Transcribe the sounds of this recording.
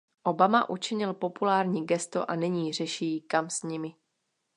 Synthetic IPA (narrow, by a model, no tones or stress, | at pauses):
ʔo̞bamaʔut͡ʃɪɲɪlpo̞pulaːɾɲiːɡɛst̪o̰ʔanɛɲiːr̝ɛʃijːkamsɲɪmɪ